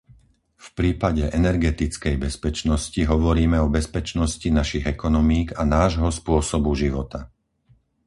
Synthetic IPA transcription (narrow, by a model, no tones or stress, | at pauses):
fpɾiːpaɟɛʔɛnɛɾɡɛt̪it͡skɛjbɛspɛt͡ʃnɔsciɦɔʋɔɾiːmɛɔbɛspɛt͡ʃnɔscinaʃiɣɛkɔnɔmiːɡanaːʒɦɔspʊɔsɔbuʒiʋɔt̪a